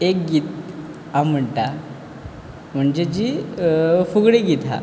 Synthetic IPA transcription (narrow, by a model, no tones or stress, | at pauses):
ek̚ɡiːt̪ | am̤əɳʈa | m̤əɳd͡ʑed͡ʑi | fuɡɽiɡit̪a̰